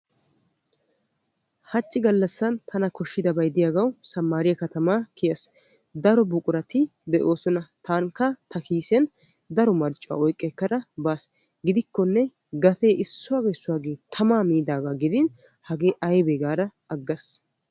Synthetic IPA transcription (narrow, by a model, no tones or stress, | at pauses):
hɐt͡ʃʼːɪɡɐlːɐsːɐnt̪ʰɐnɐkɔʃːɪd̪ɐbɐjd̪ɪjaɡɐwsɐmːaːɾɪjɐkɐt̪ɐmakʰɪjɐs | d̪ɐɾɔbʊkʼʊɾɐt̪ɪd̪ɛʔo̞ːsɔnɐt̪ʰaːŋkːɐt̪ʰɐkiːsɛn | d̪ɐɾɔmɐɾt͡ʃʼːʊwa̰ːɔjkʼːɛkːɐɾɐbaːs | ɡɪd̪ɪkːɔnːɛ | ɡɐt̪eːʔɪsːʊwaːɡejsːʊwaːɡeːt̪ʰɐmaːmiːd̪aːɡaɡɪd̪ɪn | hɐɡe̞ːʔɐjbeɡaːd̪ɐ | ɐɡːɐs